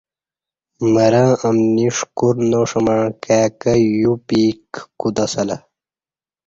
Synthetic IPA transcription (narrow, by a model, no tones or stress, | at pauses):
mɐɾɐ̃ːʔɐmniʂkuɾnoʂɐmɐɳkæːkɐjupiːkːud̪ɐsɐlɐ